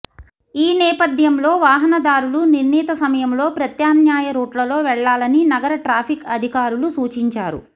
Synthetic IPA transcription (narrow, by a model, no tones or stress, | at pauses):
iːnɛːpɐd̪ʱjɐmlo̞ːʋaːɦɐnɐd̪aːɾuluniɾniːt̪ɐsɐmɐjɐmlo̞ːpɾɐt̪jaːnjaːjɐɾoːʈlɐlo̞ːʋɛɭːaːlɐninɐɡɐɾɐʈɾaːpʰikɐd̪ʱikaːɾulusuːt͡ʃiɲt͡ʃaːɾṵ